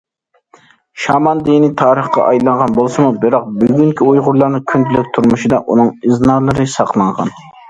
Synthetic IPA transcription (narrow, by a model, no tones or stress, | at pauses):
ʃɑmɑnd̪init̪ʰɑːɾəχqɑ̰ʔɑjlˠɑɴʁɑnbolˠsɨmubɨɾɑq̚byɡʲyŋkʲiujʁʊɾlˠɑɾnɨkʲʰynd̪ʰylyk̚ʲt̪ʰuɾmuʃɨd̪ɑʔunɨŋɨznɑːlˠɨɾɨsɑqlˠɑɴʁɑ̰n